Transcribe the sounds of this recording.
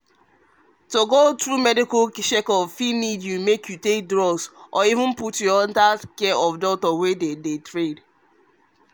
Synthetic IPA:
toɡotɹumɛdikɔʃekɔvfinidjumekʰjutek̚dɹɔsʔɔivũn̩putjɔɔ̃ntakɛɔvdɔtɔwededetɹed

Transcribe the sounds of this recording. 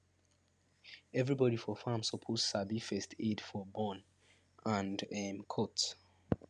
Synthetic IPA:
ɛvɹibɔɾifɔfãmsɔpʰozsabifɛstʰedfɔbɔ̃n | ãndɛmkʰɔt

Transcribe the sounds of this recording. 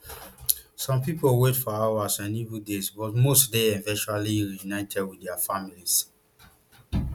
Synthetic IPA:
sɔ̃mpipolwetfɔawasãnivudesbɔtmostdeɛ̃vɛ̃nt͡ʃaliɹiunaɪ̃tʰɛdwidɛafamilis

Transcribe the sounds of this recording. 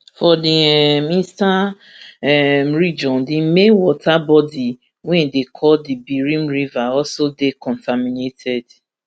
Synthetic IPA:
fɔdiminsta | ɛm̩ɾid͡ʒɔ̃ndɪmenwɔtabɔdi | wɛ̃ndekʰɔdibiɾĩmɾivaɔsodekɔ̃ntaminetʰɛd

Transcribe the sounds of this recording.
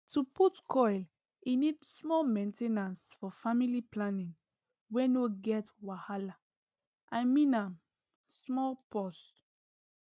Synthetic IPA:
tʰuputkʰɔjl | inidsmɔlmẽntenãnsfɔfamiliplanĩŋ | wɛ̃noɡɛtwahala | ʔamĩnãm | smɔlpɔs

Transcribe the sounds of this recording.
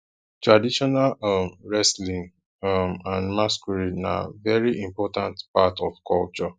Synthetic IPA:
tɹadiʃɔnalɔmɹɛslĩŋ | mãnmaskɔɹina̰vɛɹiʔĩmpɔtãntpatɔfkʰɔlt͡ʃɔ

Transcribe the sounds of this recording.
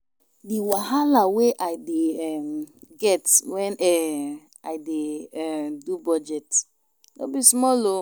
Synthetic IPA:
diwaɦalaweʔaɪdeɛmɡɛtwɛ̃nɛ | adeɛdubɔd͡ʒɛt | no̰bismɔlo

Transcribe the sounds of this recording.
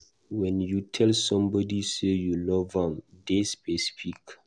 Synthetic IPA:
wɛ̃njutʰɛlsɔ̃mbɔdisejulɔvãmdespɛsi̥fik

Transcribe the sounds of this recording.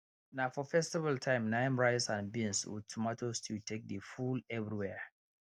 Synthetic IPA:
naʊfɔfɛstivaltʰãɪ̃mnãɪ̃mɹaɪsãnbĩnswṵd̚tʰumatʰostʰiltʰek̚dəfulɛvɹiwɛ

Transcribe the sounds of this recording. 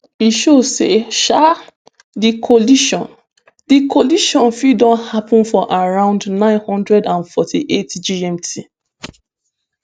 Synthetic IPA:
iʃosḛʃa | dikʰɔliʃɔ̃n | dikʰɔliʃɔ̃nfidɔ̃nhapʰɔ̃nfɔʔaɹãʊ̃ndnãɪ̃nhɔ̃ndɹɛdãnfɔtʰiʔetd͡ʒiɛ̃mtʰi

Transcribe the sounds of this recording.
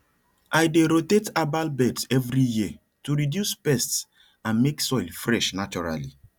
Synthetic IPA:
ajdeɾotetabalbɛtsɛvɾijiə | tuɾidjuspɛsts | ãnmeksɔɪlfɾɛʃnat͡ʃɔɾa̰li

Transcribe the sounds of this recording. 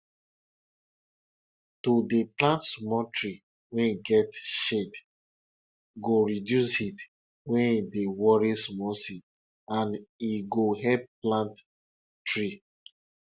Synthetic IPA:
todeplãntsmɔtɹi | wɛ̃niɡɛtʃed | ɡoɹidjusit | wɛ̃nidewɔɹismɔsit | ãniɡoɦɛb̚plãnt | tɹi

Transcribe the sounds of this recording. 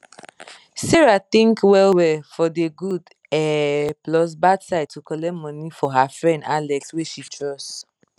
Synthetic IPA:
sɛɹat̪ĩŋkwɛlwɛfɔdeɡud | ɛplɔs̬badsaɪd̚tukɔlɛmɔ̃nifɔɦafɹɛ̃ndalɛksweʃitʰɹɔst

